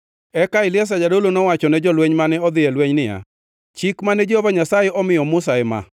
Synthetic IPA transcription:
ɛkaɪlɪɛs̬ad͡ʒadolonɔwat͡ʃɔnɛd͡ʒɔlweɲmanɛɔd̪ɪɛlweɲnɪja̰ | t͡ʃikmanɛd͡ʒiobaɲasajɛʔɔmɪjɔmʊsaɛma̰

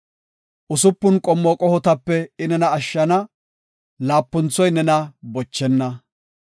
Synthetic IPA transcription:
ʔʊsʊpːʊnkʼɔmːɔkʼɔhɔt̪ɐpːɛɪnɛnɐːʃːɐnɐ | laːpːʊnt͡sːɔjnɛnɐbɔt͡ʃːɛnːɐ

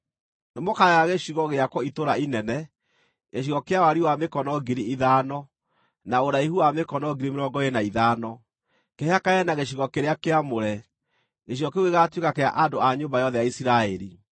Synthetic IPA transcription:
nemokajaɣeɕiɣɔɣeakwɔitoɾainɛnɛ | ɣeɕ̬iɣɔkeawaɾiwamekɔnɔɡiɾiiðanɔ | naoɾaiɦuamekɔnɔɡiɾimeɾɔŋɡɔenaiðaːnɔ | keɦeakaɛnaɣeɕ̬iɣɔkeɾeakeamoɾɛ | ɣeɕ̬iɣɔkeoɣeɣatwekakea̰ʔadoaɲoːmbajɔðɛjaisiɾaɛɾi

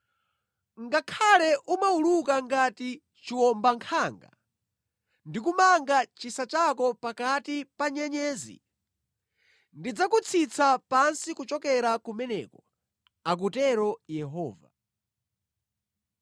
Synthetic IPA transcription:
ŋɡakʰalɛʔumaulukaŋɡati | t͡ʃiwɔmbaŋkʰaŋɡa̰ | ndikumaŋɡat͡ʃisat͡ʃakɔpakatipaɲɛɲɛːzḭ | ndid͡zakut͡sʰit͡sʰapansikut͡ʃɔkɛɾakumɛnɛ̰kɔ | ak̬utɛɾɔjɛɦɔːva̰

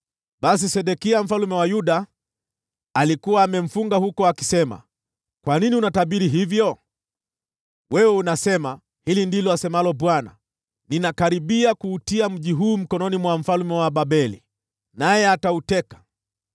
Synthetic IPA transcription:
ɓas̬isɛɗɛkiam̩falumɛwajuɗa | likuwaːmɛm̩fuŋɡahukɔaki̥sɛma̰ | kwaniniunataɓiɾiɦivjɔ | wɛwɛunasɛma | hilindilɔasɛmalɔɓwana̰ | ninakaɾiɓiakuːtiam̩ʄiɦuːm̩kɔnɔnimwam̩falmɛwaɓabɛlḭ | najɛatautɛkḁ

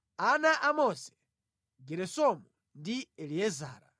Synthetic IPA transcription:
anaʔamɔsɛ̥ | ɡɛɾɛsɔmu | ndiɛliɛza̰ːɾa̰

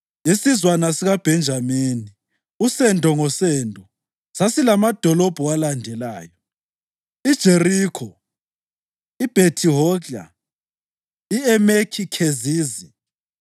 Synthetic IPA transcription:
jesizwanasiɣab̥ʱɛnd͡ʒʱamiːni | usɛndʱʼɔŋɔsɛndʱʼɔ | sasilamad̥ʱɔlɔb̥ʱɔwalandʱɛla̰ːjɔ | id̥ʒ̥ʱerikʰɔ | ib̥ʱetʰiɦɔa̰ | iɛmekʰikʰeziːzi

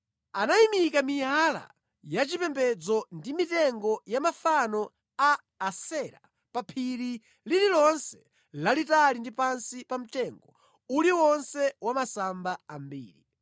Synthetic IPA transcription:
anaimikamijala̰ | jat͡ʃipɛmbɛd͡zɔndimitɛŋɡɔjamafanɔ | aː | sɛɾa | papʰiɾi | lililɔnsɛ̥ | lalitalindipansipam̩tɛŋɡɔ | uliwɔnsɛwamasambaambḭːɾi

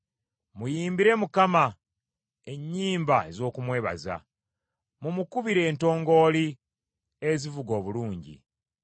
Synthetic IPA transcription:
mujiːmbiɾe̞mukama | e̞ɲːiːmbae̞zo̞ːkumwe̞ːβa̰za̰ | mumukuβiɾe̞ːnto̞ːŋɡo̞ːli | ezivuɡo̞ːβuluːɲɟḭ

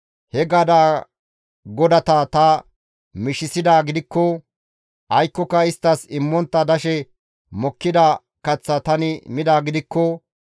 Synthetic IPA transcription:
hɛɡɐd̪aː | ɡɔd̪ɐt̪ɐt̪ɐ | mɪʃɪsɪd̪aːɡɪd̪ɪkːɔ | ʔɐjkːɔkːɐɪst̪ːɐsɪmːɔnt̪ːɐd̪ɐʃɛ | mɔkːɪd̪ɐ | kɐt͡sːɐt̪ɐnɪmɪd̪aːɡɪd̪ɪkːɔ

